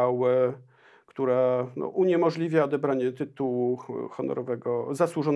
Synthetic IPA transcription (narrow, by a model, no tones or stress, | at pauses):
awɛ | kt̪uɾanɔ̰ʔuɲɛmɔʐlʲivʲjaɔd̪ɛbɾaɲɛt̪ɘt̪uwuxɔnɔ̰ɾɔvɛɡɔzaswuʐɔn